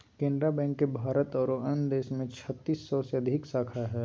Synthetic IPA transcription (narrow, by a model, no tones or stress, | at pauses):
kẽːnd̪ɾabɛ̃ːŋkːebʱaːɾət̪ɔːɾoːənd̪eːʃmẽt͡ʃʰət̪ːiːsːɔseɐd̪ʱɪksaːkʰaɦɛː